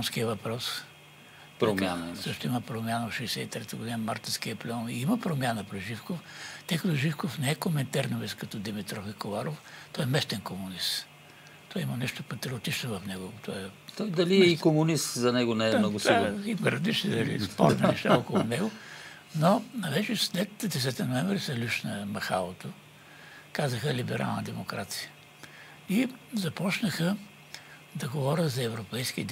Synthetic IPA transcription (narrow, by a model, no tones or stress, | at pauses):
nskiəvɐpɾɔs | ɾomjanɐimsəʃt̪ʊimɐpɾomʲjanəot̪ʃɛjsɛit̪ɾɛt̪əɡod̪inəmaɾt̪insk̟iəplɛɔniimɐpɾomʲjanəpɾɛʒifkoft̪əjkɐt̪ɔʒifkofnɛɛkomɛnt̪aɾnoviskɐt̪ɔd̪imit̪ɾɔfikolaɾoft̪ɔɛmɛst̪ɛnkomʊnist̪ | t̪ɔimɐnɛʃt̪opɐt̪ɾiot̪it͡ʃnovɐfnɛɡot̪ʰɔɛt̪ɔjd̪ɐliɛikomʊnist̪zɐnɛɡʊnɛɛnɔɡʊsaxipɛɾɐd̪it͡ʃnid̪ɐlḭspɔ̰ɾt̪nɐnɛʃt̪aokolˠʊnɛɡʊ | nonɐvɛt͡ʃɛslɛt̪d̪ɛs̬ɛt̪inoɛɱvɾisɐlʲuʃnɐmɐxa̰lˠot̪o | kazəxəlibɛɾʔa̰lˠnəd̪ɛmokɾat̪sijə | izɐpɔt͡ʃnəxə | d̪ɐɡovɔɾʲəzɐɛvɾopɛjsk̟id̪